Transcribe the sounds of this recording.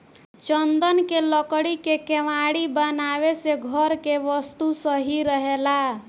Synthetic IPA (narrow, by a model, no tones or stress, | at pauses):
t͡ʃənd̪ənkeləkɽikekeʋaɽibənaʋeseɡʱəɾkeʋəst̪usəɦiɾəɦela